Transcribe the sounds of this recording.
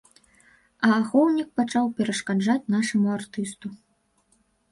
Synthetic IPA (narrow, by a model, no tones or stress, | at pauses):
ɐːxɔwnʲik̚pat͡ʂawpʲɛɾɐʂkad͡ʐat͡sʲn̪aʂɐmuart̪ɨst̪u